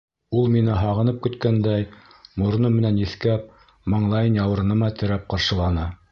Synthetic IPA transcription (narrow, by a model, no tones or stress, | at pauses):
ulˠminɘɦɑʁɤ̆nɤp̚kɵ̆t̪kænd̪æjmŏɾ̆nɤmɘ̆nænjɘ̆θkæp̚ | mɑɴlˠɑjɤnjɑwɤ̆ɾnɤ̆mɑt̪ɘ̆ɾæp̚qɑɾʃɤ̆lˠɑnɑ